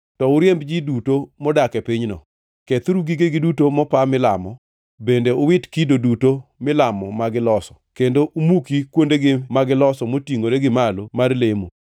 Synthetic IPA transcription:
tɔʊɾjembd͡ʒidutomɔdakɛpɪɲnɔ̰ | ket̪ɾuɡiɡeɡɪdutomɔpamɪlamɔ | bendeʊwɪtkidodutomɪlamɔmaɡɪlɔsɔ̥kendoʔumukikwondeɡɪmaɡɪlɔsɔmotiŋoɾeɡɪmalomarlemo

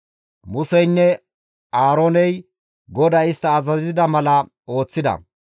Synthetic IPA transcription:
mʊsɛjnːɛ | aːɾoːnɛj | ɡɔd̪ɐɪst̪ːɐːzɐzɪd̪ɐmɐlɐ | o̞ːt͡sːɪd̪ɐ̰

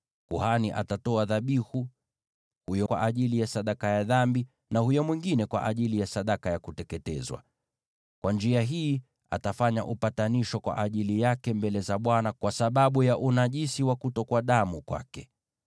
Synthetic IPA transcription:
kuhaniʔa̰tatɔaðaɓihu | hujɔkwa̰ʔaʄilijasaɗakajaðambi | nahujɔmwiŋɡinɛkwa̰ʔaʄilijasaɗakajakutɛkɛtɛ̰zwa̰ | kwʔand͡ʒiaɦiː | a̰tafaɲa̰ʔupataniʃɔkwa̰ʔaʄilijakɛmbɛlɛzaɓwanakwʔasaɓaɓujaʔunaʄisiwakutɔkwaɗamukwa̰kɛ

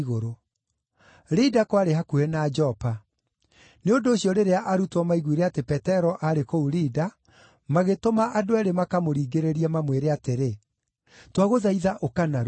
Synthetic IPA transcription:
ɣoɾo | ɾidakwaɾeɦakuenad͡ʒɔpa | neondoːɕjɔɾeɾeaʔaɾutwɔmaiɣwiɾeatepɛtɛɾɔʔaɾekouɾida | maɣetomaʔadoaɾemakamoɾiːɡeɾeɾiɛmamweɾeateɾe | twaɣoðaiðaʔokanaɾ

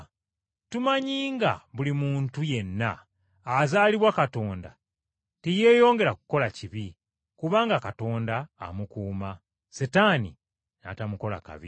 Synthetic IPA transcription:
tumaɲiːŋɡa̰βulimuːntuje̞nːaː | zaːliβwakato̞ːnda̰ | tije̞ːjo̞ːŋɡe̞ɾaku̥ko̞laciβi | kuβaːŋɡakato̞ːnda̰ːmukuːma | setaːnḭ | na̰tamuko̞la̰ka̰βḭ

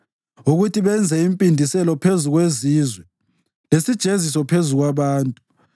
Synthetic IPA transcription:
uɣutʰiβɛnd͡zʱɛimpʼindʱisɛlɔpʰezuɣweziːzwɛ | lesid̥ʒ̥ʱezisɔpʰezuɣwaβaːntʼu

